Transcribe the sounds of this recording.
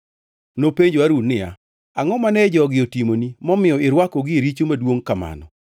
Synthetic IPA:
nopeɲd͡ʒwaɾunɪja̰ | aŋɔmanɛd͡ʒɔɡɪotimonimɔmɪɔɪɾwakɔɡɪɾit͡ʃomadwoŋkama̰nɔ̰

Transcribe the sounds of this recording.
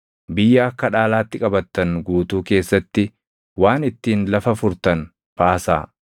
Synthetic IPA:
bɪjːɐɐkːɐᶑaːlaːt̪ːɪkʼɐbɐt̪ːɐnɡuːt̪uːke̞ːsːɐt̪ːɪ | waːnɪt̪ːiːnlɐfɐfʊɾt̪ɐn | baːsa̰ː

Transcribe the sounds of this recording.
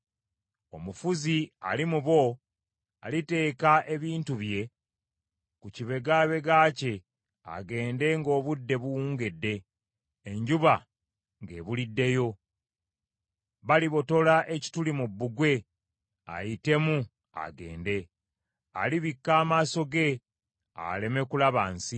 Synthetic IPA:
o̞mufuzia̰limuβo̞ | a̰lite̞ːkaʔe̞βiːntuβje̞ | kuciβe̞ɡaːβe̞ɡaːce̞ | a̰ɡe̞ːnde̞ŋɡo̞ːβudːe̞βuwuːŋɡe̞dːe̞ː | ɲɟuβa | ŋɡe̞ːβulidːe̞jo̞ | βaliβo̞to̞laʔe̞ci̥tulimubːuɡwe̞ | a̰jite̞mu | a̰ɡe̞̰ːnde̞ | a̰liβikːaːmaːso̞ɡe̞ | a̰le̞me̞kulaβaːnsi

